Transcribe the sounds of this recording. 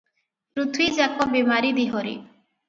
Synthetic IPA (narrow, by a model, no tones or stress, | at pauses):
pɾut̪ʰwid͡ʒɛkɔbemaɾid̪iɦoɾḭ